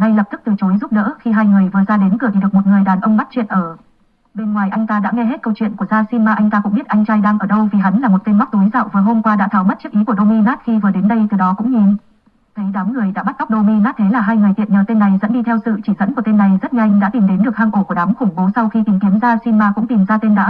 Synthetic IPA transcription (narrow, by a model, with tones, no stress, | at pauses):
ŋa˧jlə˨˩p̚t̪ʰɨ˦˥k̚t̪ɨ˨˩t͡ɕo˨˦jzu˦˥p̚ɗə̰ː˧˥xi˧ɦaː˧jŋɨ˨˩əjvɨ˨˩əzaː˧ɗe˨˦nkɨ˧˩əi˧˩ɗɨ˨˩ək̚mo˨˩t̚ŋɨ˨˩əjɗaː˨˩nʔə˧wŋ͡mɓa˦˥t̚t͡ɕwḭ˧˨ənʔəː˧˩ | ɓe˧nŋwaː˨˩jʔa˧jŋt̪aː˧ɗa̰ː˧˥ŋɛ˧ɦe˦˥t̚kə˧wt͡ɕwḭ˧˨nku˧˩zaː˧si˧nmaː˧ʔa˧jŋ̟t̪aː˧kʊ̰˧˥ŋ͡mɓi˦˥t̚ʔa˧jŋ̟t͡ɕaː˧jɗaː˧ŋʔəː˧˩ɗə˧wvi˨˩ɦa˨˦nlaː˨˩mo˨˩t̚t̪e˧nma˦˥k͡p̚t̪o˨˦jza̰ː˧˨wvəː˨˦jɦo˧mkwaː˧ɗa̰ː˧˥t̪ʰaː˧˩wmə˦˥t̚t͡ɕɨ˦˥əkʔi˨˦ku˧˩əɗo˧mi˧naː˦˥t̚xi˧vɨ˨˩ɗe˨˦nɗə˧jt̪ɨ˨˩ɗɔ˨˦kʊ̰˧˥ŋ͡mɲi˨˩n | t̪ʰə˨˦jɗaː˨˦mŋɨ˨˩əjɗa̰ː˧˥ɓa˦˥t̚ʔa˦˥k͡p̚ɗo˧mi˧naː˦˥t̪ʰe˨˦laː˨˩ɦaː˧jŋɨ˨˩əjt̪ḭ˧˨ənɲəː˨˩t̪e˧nːa˨˩jzə̰˧˥nɗi˧t̪ʰɛ˧wsɨ̰˧˨t͡ɕi˧˩zə̰˧˥nku˧˩ət̪e˧nːa˨˩jzə˦˥t̚ŋa˧jŋ̟ɗa̰ː˧˥i˨˩mɗe˨˦nɗɨ˨˩ək̚haː˧ŋʔo˧˩ku˧˩əɗaː˨˦mxʊ˧˩ŋ͡mɓo˨˦sa˧wxi˧t̪i˨˩˦ŋki˨˦əmzaː˧si˧nmaː˧kʊ̰˧˥ŋ͡mt̪i˨˩mzaː˧t̪e˧nɗaː˧˦